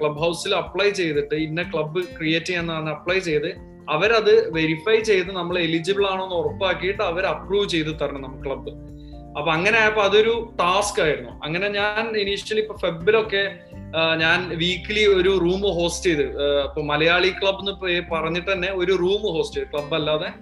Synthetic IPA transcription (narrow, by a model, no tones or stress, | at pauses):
kɭɐbɦɐwsilɐpːɭɐjt͡ɕe̞jt̪iʈːɨinːekɭɐbːɨkrije̞ːtːiŋenːaːnːɨɐpɭɐjt͡ɕe̞jt̪ɨ | ɐʋɐɾɐðɨʋe̞ɾifɐjt͡ɕe̞jt̪ːɨnɐmːɐɭelid͡ʑibiɭaːɳoːnːorɐpːaːkːijiʈːɨɐʋɐɾɐpruːʋt͡ɕe̞jt̪ɨt̪ːɐɾɐnɐnɐmːɨkɨɭɐbːɨ | ɐpːoɐŋːɐne̞aːjɐpːoɐðo̞ɾuʈaːskaːjiɾunːuɐ̰ŋːɐne̞ɲaːniniʂjɐlipːoːfebilo̞kːe̞ | ɲaːnʋiːkːilio̞ɾuruːmɨɦo̞ːstejðɨɐpːoːmɐlɐjaːɭikɭɐbːenːɨpepɐrɐɲːiʈːɨt̪ɐnːe̞o̞ɾuruːmɨɦo̞ːsʈejðɨkɭɐbːɐlːaːðe̞